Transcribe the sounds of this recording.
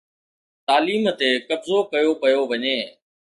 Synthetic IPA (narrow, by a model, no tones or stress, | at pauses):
t̪aːliːmt̪ekɐbzokɐjopɐjoʋɐɲeː